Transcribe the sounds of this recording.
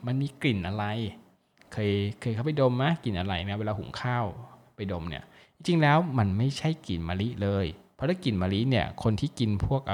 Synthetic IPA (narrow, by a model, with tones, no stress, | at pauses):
ma˧nmiː˧kli˨˩nʔa˧ɾa˧j | kʰɤː˧jkʰɤː˧jkʰa˥˩pa˨˩jdo˧mna˦˥ki˨˩nʔa˧ɾa˧jna˦˥weː˧laː˧hṵ˨˩˦ŋkʰaː˥˩wpa˧jdo˧mnḭ˥˩ɐ | t͡ɕi˧t͡ɕi˧ŋlɛː˦˥wma˧nma˥˩jt͡ɕʰa˥˩jkli˨˩nmaː˧li˦˥ʔlɤː˧jpʰɾɔ˦˥t̪ʰa˥˩ki˨˩nmaː˧li˦˥ni˦˥˩ɐkʰo˧nt̪ʰiː˥˩ki˧npʰu˥˩ək̚ʔa˧